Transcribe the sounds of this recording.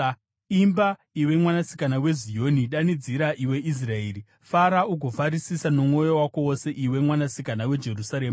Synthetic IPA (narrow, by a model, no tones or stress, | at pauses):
imba | iwe̞mwanasi̥kanawe̞zijo̞niɗanid͡ziɾaʔiwe̞ʔis̬raeːɾi | faɾauɡʱo̞faɾisisanomŋo̞jowako̞wose̞ʔiwe̞mwanasikanawe̞d͡ʒe̞rusaɾe̞ːma